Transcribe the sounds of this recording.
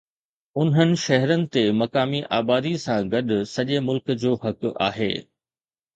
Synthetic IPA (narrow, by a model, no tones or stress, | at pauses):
ʊnɦənɪ̆ʃɐɦɾənɪ̆t̪emɐkaːmiʔaːbaːd̪isãɡɐɗʊ̆sɐʄemʊlkd͡ʑoːhɐka̰ːɦḛː